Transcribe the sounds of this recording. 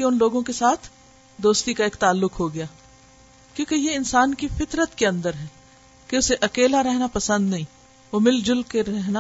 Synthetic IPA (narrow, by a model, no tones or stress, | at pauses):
eʊnloːɡõkesaːt̪ʰ | d̪oːst̪ikaeːkt̪aːlːʊkɦoɡɐjaː | kjõːkejeɪnsaːnkifɪt̪ɾət̪keɐ̃nd̪əɾɦɛː | keʊseʔɐkeːlaɾɛɦnapɐsə̃nd̪nɐɦĩː | ʋoːmɪld͡ʒʊlkeɾɛɦna